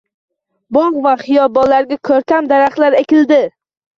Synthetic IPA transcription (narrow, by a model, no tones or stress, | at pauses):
bɒɴqvaχɪjɒbɒlaɾɡʲakʲʰɵɾt̪ʰamd̪aɾaχlaɾekʲɪld̪ɪ